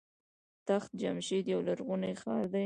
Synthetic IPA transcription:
t̪axt̪̚d͡ʒamʃid̪jawlaɾɣunajxɑɾd̪a

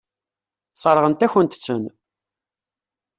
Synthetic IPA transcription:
sˤəɾˤəʁənt̪æçənt̪ə̥t͡sːən

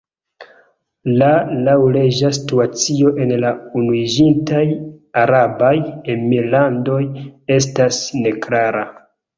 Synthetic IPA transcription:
lalawled͡ʒasi̥tuat͡sio̞ʔe̞nlaunuid͡ʒintajaɾabajenmiɾlando̞je̞s̬tasne̞klaɾa

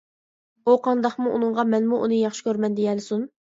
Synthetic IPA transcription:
uqʰɑnd̪ɑχmuṵnɨŋʁɑmɛnmuʔunɨjɑχʃi̥kʲøɾmɛnd̪ejɛlɪsun

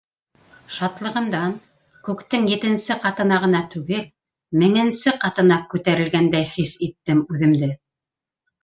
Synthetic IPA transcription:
ʃɑt̪lˠɤ̆ʁɤ̆nd̪ɑn | kʉkt̪ɘŋjɘ̆t̪ɘ̆nsɘqɑt̪ɤ̆nɑʁɤ̆nɑt̪ʉɡɘl | mɘ̆ŋɘ̆nsɘqɑt̪ɤ̆nɑkʉt̪æɾɘ̆lɡænd̪æjχisit̪ːɘmʉðɘ̆md̪ɘ

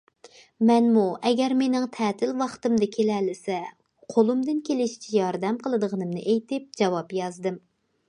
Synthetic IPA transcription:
mɛnmuɛɡʲɛɾmenɪŋt̪ʰɛːt̪ʰɪlwɑχt̪ɨmd̪ɨkʲʰelɛlːɪsɛ | qʰolˠumd̪ɪnkʲelɪʃi̥t͡ʃʰɛjɑɾd̪ɛmqəlˠɨd̪əʁənɨmnɨʔejt̪ɪp̚d͡ʒɑwɑpjɑzd̪ɨm

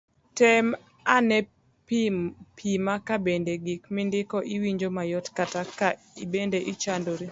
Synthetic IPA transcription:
tɛm | anɛ | ppʰimakabendeɡikmɪndɪkɔʔiwiɲd͡ʒomajɔtkataka | ibendeʔit͡ʃandoɾi

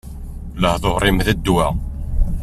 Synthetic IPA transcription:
ləhθoʁɾˤɪmðæd̪ːwæ

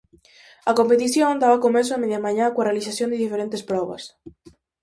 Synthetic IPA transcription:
ɐkompet̪isjond̪aβakomes̬oameðjamaɲakwarealisasjond̪eðifeɾent̪espɾɔβɐ̰s

